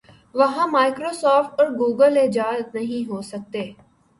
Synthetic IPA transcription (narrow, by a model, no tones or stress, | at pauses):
ʋɐɦãmaːɪkɾoːsɔːfʈɔːɾɡuːɡəleːd͡ʒaːznɐɦĩɦoːsɐk̚t̪eː